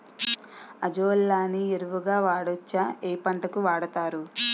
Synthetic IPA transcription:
ɐd͡ʒoːlːaːnieɾuʋuɡaːʋaːɽot͡ʃːaeːpɐɳʈɐkuʋaːɽɐt̪aːɾu

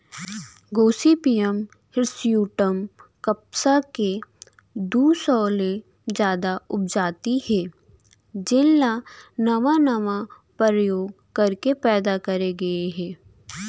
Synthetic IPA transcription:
ɡoːsipijəm | hɪɾsijuːʈəmkəpsake | d̪uːsɔːlẽ | d͡ʒjaːd̪aʊp̚d͡ʒaːt̪ihɛ̃ː | d͡ʒɪlːanɐʋanɐʋa | pəɾəjoːɡ | kɐɾkepɛːd̪akɐɾeɡɐeɦɛ̃ː

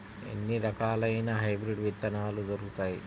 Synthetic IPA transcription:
ḛnːiɾɐkaːlɐjnɐɦɐjbɾiɖʋid̪ːɐnaːlud̪ɐɾukut̪aːji

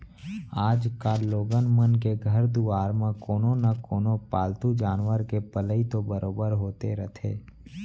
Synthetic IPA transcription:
aːd͡ʒkaloːɡənmənkeɡʱəɾd̪uaːɾmãkoːnõnɐkoːnopaːlt̪ud͡ʒaːnwəɾkepələit̪obəɾoːbəɾɦoːt̪eɾət̪ʰḛː

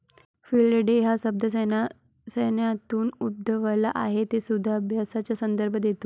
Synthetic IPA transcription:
filɖəɖeɦasəb̚d̪ʱəs | səjnjat̪uːnub̚d̪ʱəʋəlaʔaɦet̪esud̪ʱːaəbʱjasat͡ɕjasənd̪əɾbʱəd̪et̪u

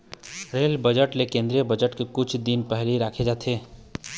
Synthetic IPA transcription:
ɾeːlbəd͡ʒəʈlekẽːnd̪ɾijəbəd͡ʒəʈkekʊt͡ʃʰd̪ɪnpɛɦliɾaːkʰed͡ʒaːt̪ʰeː

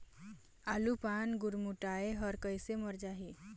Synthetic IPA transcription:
alupanɡuɾmuʈaeɦʌɾkəjsemɔɾd͡ʒaɦi

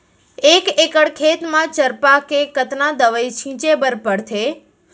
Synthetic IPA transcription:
ekekəɽkʰet̪mãt͡ʃəɾpakekət̪nad̪əʋəjt͡ʃʰĩt͡ʃebəɾpəɽt̪ʰe

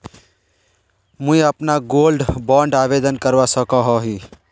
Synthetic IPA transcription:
mũiəpnaɡoːlɖbãːɳɖaːʋeːd̪ənkəɾʋasəkaɦɔɦi

